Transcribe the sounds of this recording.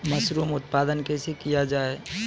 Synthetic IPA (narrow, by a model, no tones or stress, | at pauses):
mɐsɾuːmʊt̪̚paːd̪ənkesekijad͡ʒaːe